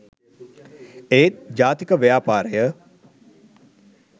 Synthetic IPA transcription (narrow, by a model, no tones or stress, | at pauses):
eːt̪̚d͡ʒaːt̪ikəʋejaːpaːɾəjə